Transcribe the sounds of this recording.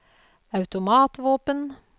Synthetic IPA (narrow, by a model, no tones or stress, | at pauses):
ɑʉt̪ʊmɑːt̪ʋoːpən